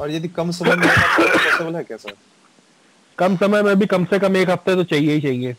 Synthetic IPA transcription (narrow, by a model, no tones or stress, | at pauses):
ɔːɾjed̪ikɐmsɐməjmẽãsɛsebəlɦɛkjaːs | kɐmsɐməjmẽɐbʱikɐmsekɐmeːkɦɐft̪eɛt̪ot͡ʃaːɦieɦit͡ʃaːɦĩɡeː